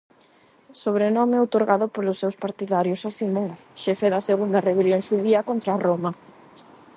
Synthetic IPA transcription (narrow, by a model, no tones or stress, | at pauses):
soβɾenɔmeot̪oɾɣaðʊpolʊsːewspaɾt̪iðaɾjʊsasimuŋ | ʃɛfeðɐseɣund̪ɐreβeljoŋʃuðiɐkont̪ɾaromɐ